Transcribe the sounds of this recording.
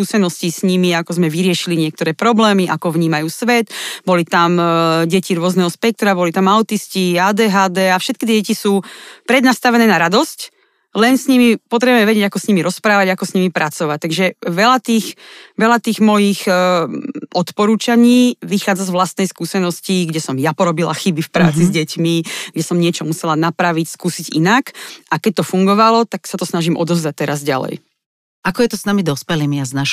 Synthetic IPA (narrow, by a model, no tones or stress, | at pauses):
kuːsɛnɔscisɲimiakɔzmɛʋiɾɪɛʃiliɲɪɛk̚t̪ɔɾɛːpɾɔblɛːmiʔakɔʋɲiːmajuːsʋɛd̪bɔlit̪amɟɛciɾʊɔznɛɦɔspɛk̚t̪ɾabɔlit̪amaʊt̪isciaːd̪ɛːɦaːd̪ɛːafʃɛt̪̚kit̪̬ɪɛɟɛcisuːpɾɛd̪nast̪aʋɛnɛːnaɾad̪ɔsc | lɛnsɲimipɔt̪ɾɛbuɛmɛʋɛɟɛɟakɔsɲimiɾɔspɾaːʋaɟakɔsɲimipɾʔat͡sɔʋac̚t̪aɡʒɛʋɛlat̪iːxʋɛlat̪iːɣmɔjix | ʔɔt̪pɔɾuːt͡ʃaɲiːʋixaːd͡zazʋlast̪nɛjskuːsɛnɔsciɡɟɛsɔmjapɔɾɔbila̰xibifpɾa̰ːt͡sizɟɛcmiɡɟɛsɔmɲɪɛt͡ʃɔmusɛlanapɾaʋicskuːsiɟinakʔakɛc̚ʲt̪ɔfuŋɡɔʋalɔt̪aksat̪ɔsnaʒimʔɔ̰d̪ɔzd̪at̚t̪ɛɾazɟa̰lɛ̰j | akɔjɛt̪ɔsnamid̪ɔspɛlimiaznaʃ